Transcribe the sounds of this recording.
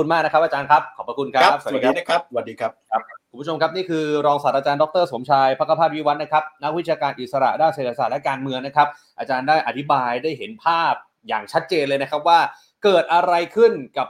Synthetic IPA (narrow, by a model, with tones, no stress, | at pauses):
u˧nmaː˥˩k̚na˦˥kʰa˦˥ʔaː˧t͡ɕaː˧nkʰa˦˥p̚kʰɔː˨˩pɾa˧ku˧nkʰa˦˥˦aː˦˥˩kʰa˦˥wa˨˩t̚diː˧kʰa˦˥p̚ku˩mu˦˥t͡ɕʰo˧mkʰa˦˥p̚niː˥˩kʰɯː˧ɾɔː˧ŋsaː˨˩t̪̚ʔaː˧t͡ɕaː˧ndɔ˦˥k̚t̪ɤː˥˩so˩˦mt͡ɕʰaː˧jpʰa˦˥kʰa˧pʰaː˥˩t̪̚wi˦˥˩wa˦˥t̪̚na˥kʰa˦˥p̚na˦˥k̚wi˦˥t̪̚t͡ɕjaː˧kaː˧nʔi˨˩t̪̚sa˧ɾa̰˨˩daː˥˩nse˨˩t̪̚ʰa˧saː˨˩t̪̚lɛ˦˥kaː˧nmɯ˧əŋna˦˥kʰa˦˥p̚ | ʔaː˧t͡ɕaː˧ndaː˥˩jʔa˨˩t̪ʰi˦˥baː˧jdaː˥˩jɦe˩˦npʰaː˥˩p̚ | jaː˨˩ŋt͡ɕʰa˦˥t̪̚t͡ɕeː˧nlɤː˧jna˦˥kʰa˦˥p̚waː˥˩ | kɤː˨˩t̪̚ʔa˧ɾa˧jkʰɯ˥˩nka˨˩p̚